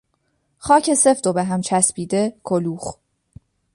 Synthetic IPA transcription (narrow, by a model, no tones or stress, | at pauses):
χɒːcʰe̞se̞fd̪obeɦæmt͡ʃʰæspiːd̪e̞kʰoluːx